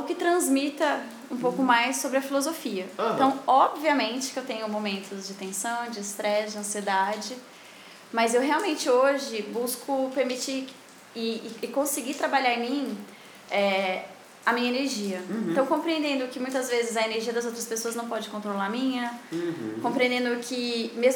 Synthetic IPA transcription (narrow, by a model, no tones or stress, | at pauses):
ʊkɪt̪ɾɐ̃zmit̪ɐ | ũpowkʊmajsːobɾɪɐfilozofiɐẽt̪ɐ̃w̃ɔbviɐmẽnt͡ʃɪ̥kewt̪ẽɲʊmomẽnt̪ʊd͡ʒɪt̪ẽsɐ̃w̃d͡ʒɪːst̪ɾɛsd͡ʒɪɐ̃sied̪ad͡ʒɪ | mɐzewɦeawmẽnt͡ʃɪoʒɪbuskʰʊpeɾmit͡ʃi | ɪːkõsɪɡit̪ɾabaʎaɾẽmĩ | ɛ | ɐmĩɲɐeneɾʒiɐẽt̪ɐ̃w̃kõpɾiẽnd̪ẽnd̪ʊkɪmũj̃t̪ɐzvezɪzɐeneɾʒiɐd̪ɐzowt̪ɾɐspesoɐznɐ̃w̃pɔd͡ʒɪkõnt̪̬ɾolaɾɐmĩɲɐ | kõpɾiẽnd̪ẽnd̪ʊkʰɪmez